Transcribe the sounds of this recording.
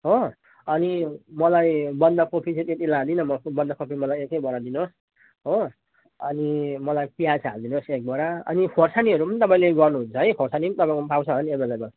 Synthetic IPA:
ɦo | ʌnimʌlajbʌnd̪akopʰit͡set̪iet̪ilãd̪inʌmʌbʌnd̪akopʰimʌlajekejbʌɾad̪inos | ɦo | ʌnimʌlajpijasɦald̪inosek̚bʌɾaʌ̰nipʰorsaniɦʌɾupʌnit̪ʌpãĩleɡʌrnuɦunt͡sʰʌɦʌjpʰorsanit̪ʌpãĩopawsʰʌʌʌniebʌd͡zabʌl

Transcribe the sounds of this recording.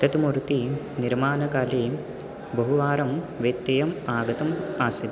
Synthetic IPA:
t̪ɐt̪umuɾt̪i | niɾmaːnɐkaːle | bɐɦuʋaːɾɐmʋet̪ːɐjɐmaːɡɐt̪ɐmaːsi

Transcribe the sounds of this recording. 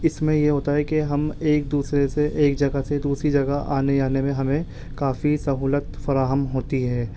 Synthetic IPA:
ɪsmẽjeɦoːt̪aɦɛkeɦɐmeːk̚d̪uːsɾeseʔeːk̚d͡ʒɐɡased̪uːsɾid͡ʒɐɡaʔa̰ːneaːnemẽɦɐmẽ | kaːfisɐɦuːlət̪fɐɾaːɦəmɦoːt̪iɦɛː

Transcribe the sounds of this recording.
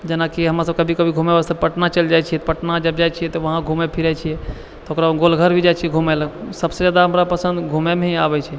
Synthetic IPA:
d͡ʒenakiɦəmɾasəb̚kəbʱikəbʱiɡʱumɛbast̪əpəʈnat͡ʃəld͡ʒajt͡ʃʰijɛt̪ɔpəʈnad͡ʒəbd͡ʒajt͡ʃʰijɛt̪ɔʋəɦãɡʱumepʰiɾɛt͡ʃʰiɛ | t̪ɔokɾaɡolɡʱəɾbʱid͡ʒat͡ʃʰijɛɡʱumɛləksəbsed͡ʒad̪aɦəmɾapəsə̃nd̪ɡʱumɛmeabɛt͡ʃʰɛ

